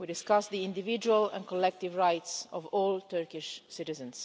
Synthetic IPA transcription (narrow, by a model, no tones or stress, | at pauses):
widɪskasd̪iɪ̃ndɪvɪd͡ʒuəlɛ̰̃nkɔlɛk̚tɪvɹajtsɔvɔːlˠt̪ʰɜɹkɪʃsɪtɪzə̃ns